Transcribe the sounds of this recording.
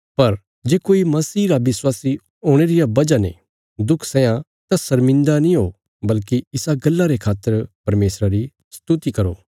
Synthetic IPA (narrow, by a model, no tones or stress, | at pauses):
pɐɾ | d͡ʒeːkoːimɐsiːɾabɪswaːsi | oːɽ̃eːɾɪjabɐd͡ʒanḛ̃ | d̪ʊkʰsɛ̃jã | t̪asɐɾmɪ̃nd̪anĩɦoː | bɐlkiɪsaɡɐlːaɾekʰaːt̪ːəɾpɐɾmeːsɾaɾi | st̪ʊt̪ikɐɾo̰ː